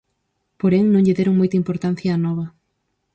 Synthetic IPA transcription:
poɾeŋnõŋʎɪðeɾoŋmojt̪ɐimpoɾt̪an̟θjɐːnɔβɐ

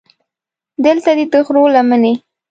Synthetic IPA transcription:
d̪əlt̪ad̪et̪əxɾolaməne

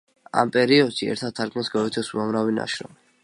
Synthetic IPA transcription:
a̰mpʼɛɾiɔd̪̥ʃiɛ̰ɾt̪ʰad̪̚ʰaɾkʰmɛnsɡaɛt̪ʰɛsuamɾavina̰ʃɾɔ̰m

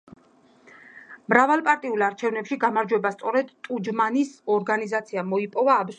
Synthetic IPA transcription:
mɾavalˠpʼaɾt̪ʼiulˠaɾt͡ʃʰɛvnɛpʃiɡamaɾd͡ʒwɛbast̪sʼɔɾɛd̪t̪ʼud͡ʒmanisɔɾɡanizat̪sʰiamɔipʼɔvaːbz

